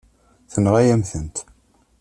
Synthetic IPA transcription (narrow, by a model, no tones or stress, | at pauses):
θənʁæjæmθənt̪